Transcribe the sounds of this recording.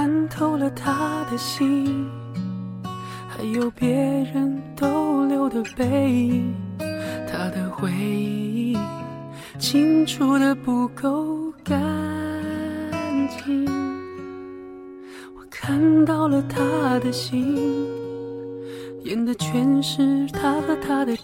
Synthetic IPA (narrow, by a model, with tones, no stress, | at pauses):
a˥nt̪ʰo˥ʊlə˨t̪ʰa˧˥d̪ə˨ɕi˥ | xa˧˥ɪjo˨˩ʊpjɛ˧˥ɻə˧˦˥nt̪o˧˥ʊljo˥˩ʊd̪ə˩pe˧˥ɪi˧ | t̪ʰa˥d̪ə˨xwe˧˥ɪi˧˥ | t͡ɕʰi˥ŋʈ͡ʂʰu˨˩d̪ə˧pu˧˩ko˥ʊka˥ | nt͡ɕi˧ | wɔ˨˩kʰa˥˧nt̪ɑ˥˩ʊlə˩t̪ʰa˥d̪ə˨ɕi˥ | jɛ˧˥nd̪ə˧t͡ɕʰɥɛ˧˥nʂɻ̩˥˧t̪ʰa˥xə˧˥t̪ʰa˥d̪ə˨˩